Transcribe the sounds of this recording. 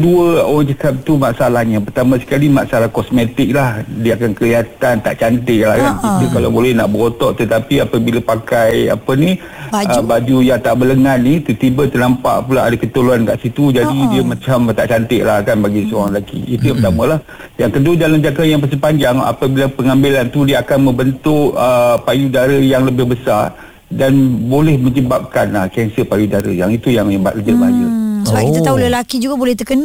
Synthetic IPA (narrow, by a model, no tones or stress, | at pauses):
kəduəoɣaŋd͡ʒakap̚t̪umaʔsalahɲapərt̪amãsə̥kalimaʔsalahkɔsmet̪ɪk̚lahdiəakankəliɦat̪ant̪a̰ʔt͡ʃant̪ɪʔlahkankit̪ukalawbolɛhna̰ʔbəɾot̪ɔʔt̪ət̪apiapəbilapakaja̰pəni | əbad͡ʒujaŋt̪aʔbələŋanːit̪ut̪ibət̪ərnampa̰ʔpulaʔadakət̪oloankaʔsit̪ud͡ʒadidiəmat͡ʃamt̪aʔt͡ʃant̪ɪʔlahkanbaɡisəoaŋlakḭit̪ujampət̪amalah | jaŋkəduədalamd͡ʒakajaŋp̬əs̬əpaɲd͡ʒaŋa̰pabilapəŋambilant̪udiəakanmə̃mbənt̪ʊʔəpajudaɾəjaŋləbɪhbəsa̰ | danbolɛhmə̃ɲd͡ʒəbap̚kanahkɛnsəpajudaɾə̰jaŋit̪ujaŋɲəbat̪̚kəd͡ʒəbad͡ʒəsəbakit̪at̪aɦuləlakid͡ʒuɡabolɛht̪əkəna